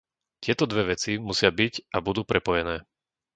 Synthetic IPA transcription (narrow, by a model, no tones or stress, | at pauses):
t̪ɪɛt̪ɔd̪ʋɛʋɛt͡simusɪabicʔabud̪uːpɾʔɛpɔjɛnɛː